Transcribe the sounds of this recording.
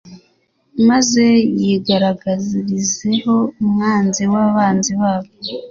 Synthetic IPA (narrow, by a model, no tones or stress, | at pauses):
maze̞jiɡaɾaɡaziɾize̞ho̞umŋaːnziwaβaːnziβaːβo